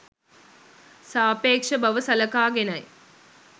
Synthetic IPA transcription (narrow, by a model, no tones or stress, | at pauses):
saːpeːkʂɐbɐʋəsɐlɐkaːɡenɐj